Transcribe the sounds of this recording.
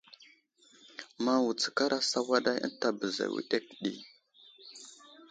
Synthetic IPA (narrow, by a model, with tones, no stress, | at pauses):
ma˦wu˨t͡sə̥˨ka˦ɾa˦sa˦wa˦ɗa˦jə̰˦ta˨bə˨za̰˨wḭ˦˨ɗe˦kɗḭ˦